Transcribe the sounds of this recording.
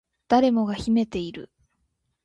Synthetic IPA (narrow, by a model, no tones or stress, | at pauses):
d̪̥aɾe̞mo̞ɡaçime̞t̪e̞iɾɯ̟̰